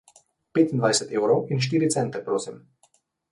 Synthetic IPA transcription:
peːt̪ind̪vajsɛt̪eːwɾowinʃ̬t̪iːɾit̪sɛnt̪ɛpɾoːsim

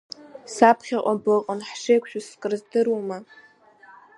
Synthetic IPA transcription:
sapʰχʲaqʷʼabɨqʼanħʂejkʷʰʼʃᶣʊskʼɨrzdɨrwuma

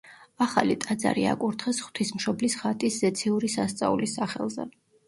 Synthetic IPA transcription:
aχalit̪ʼad̪za̰ɾia̰kʼuɾt̪ʰχɛsχwt̪ʰismʃɔblisχat̪ʼiszɛt̪sʰiuɾisast̪sʼaulisaχɛ̰lˠzɛ̰

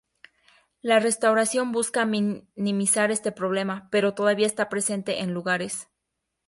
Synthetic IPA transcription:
lare̞st̪awɾasjo̞mbuskaminĩmisaɾe̞st̪e̞pɾo̞β̞le̞mape̞ɾo̞t̪o̞ðaβiaest̪apɾe̞se̞nt̪e̞ʔenluɣaɾe̞s

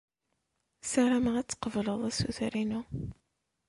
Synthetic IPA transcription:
saɾaməʁæt͡sːə̥qəvləðˤæsṵθɾinu

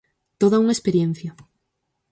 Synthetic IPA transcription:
t̪oðaunaespeɾjen̟θja

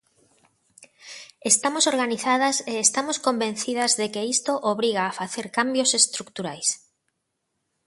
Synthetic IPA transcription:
est̪amosoɾɣaniθað̞aseːst̪amoskombẽn̟θiðazðekeist̪oʔoβɾiɣaːfaθeɾkambjosest̪ɾukt̪uɾajs

